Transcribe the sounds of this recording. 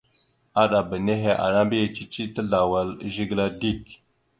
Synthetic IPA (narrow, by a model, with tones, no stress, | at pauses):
a˦ɗa˨bə˨ne˦ɦe˦ʔa̰˨ɾa˦mbi˦ja˨t͡ʃi˦t͡ʃi˦tə˦ɮa˨wa˨lʒi˦ɡla˦di˦k